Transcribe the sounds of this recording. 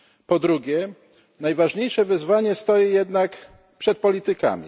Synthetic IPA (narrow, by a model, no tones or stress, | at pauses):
pɔd̪ɾuɡʲjɛ | najvaʐɲejʂɛvɘzvaɲɛst̪ɔjɛjɛd̪nak | pʂɛt̪̚pɔlʲit̪ɘka̰mʲḭ